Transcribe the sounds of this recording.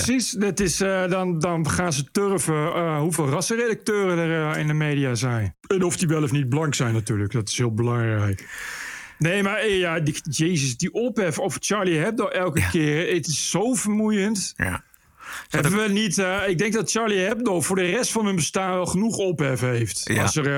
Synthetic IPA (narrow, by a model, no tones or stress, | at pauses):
əsisdɪtɪsdɔndɔnχaːnzətørvəɦuveːlˠrɑsəredək̚tøːrənərɪndəmeːdiazɛjn | ɛnɔfdiʋɛləfnit̚bəlɑŋksɛjnatyːləkdɔtɪ̥shɪəlˠbəlɑŋrɛjk | neːmarjadəjeːzəsdiʔɔpɛfɔft͡ʃaɹliɦɛp̚doʔɛlˠkəkɪːrɪtɪsːowvərmujənt | ɦɛbəəʋənitɪɡ̚dɛŋk̚dɔt̚t͡ʃaɹliɦɛp̚dofʊːɹdərɛstfɑnɦənbəstaːnʋɛlˠχənuχɔpɦɛfəɦejftɔsə